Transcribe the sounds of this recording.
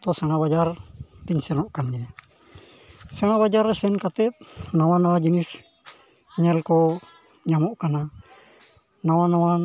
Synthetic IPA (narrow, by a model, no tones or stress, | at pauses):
t̪osaŋabad͡ʒarpiɲsɛnɔʔkand͡ʒe | saŋabad͡ʒaɾsɛnkat̪ɛp̚nawanawad͡ʒinis | ɲalko | ɲamoʔkana | nawanawa